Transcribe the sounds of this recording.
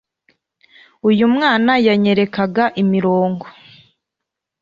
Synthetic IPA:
ujumŋaːnajaɲe̞ɾe̞kaɡaʔimiɾoːŋɡo

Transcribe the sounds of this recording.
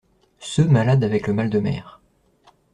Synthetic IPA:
sømalad̪avɛkləmald̪əmɛ̰ːʁ

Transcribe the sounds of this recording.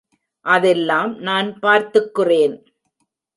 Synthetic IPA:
ʔɐðɛlːaːmnaːnpaːɾt̪ɯkːɪreːn

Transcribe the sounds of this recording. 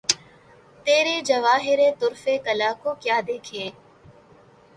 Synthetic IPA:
t̪eːɾed͡ʒɐʋaːɦɪɾet̪ʊɾfekɐlaːkokjaːd̪eːkʰẽː

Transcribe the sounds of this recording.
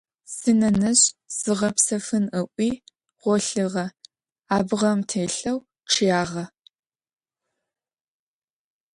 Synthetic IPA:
sɨnɐnɐɕz̥ɨʁɐpsɐfɨnəʔʷiː | ʁʷɔɬɨʁɐ | aːbʁɐmtʰeːɬɐw | ʈ͡ʂʰjaːʁɐ

